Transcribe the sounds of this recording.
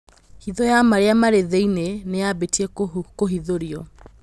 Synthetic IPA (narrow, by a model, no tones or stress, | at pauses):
hiðɔjamaɾeamaɾeðeinenejabetiɛkoɦiðoɾiɔ